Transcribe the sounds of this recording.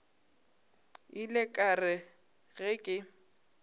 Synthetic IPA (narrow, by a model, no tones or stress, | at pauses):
ɪlɪkʼarɪ | ɣɪkʼɪ